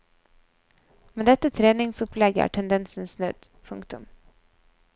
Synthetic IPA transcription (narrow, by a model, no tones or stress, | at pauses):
mɛd̪ɛt̪ːət̪ʰɾeːnɪŋsɵplɛɡə̰ʈʰɛnd̪ɛnsənsnø̰ːd̪̥ | pʰɵŋkt̪ɵm